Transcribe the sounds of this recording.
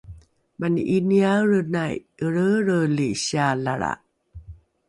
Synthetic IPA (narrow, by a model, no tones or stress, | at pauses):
manʔiniaɾənajəɾəɾəliɕialaɾa̰